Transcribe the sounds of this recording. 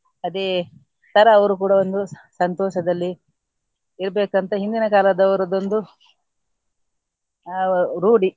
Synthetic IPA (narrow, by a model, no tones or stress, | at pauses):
ɐd̪e | t̪ɐɾɐːʋɐɾukuːɽɐo̞nd̪u | sɐnt̪ɔːʃɐd̪ɐlːi | iɾbeːkɐnt̪ɐɦind̪inɐkaːlɐd̪ɐʋɐɾɐd̪o̞nd̪u | ɾuːɽi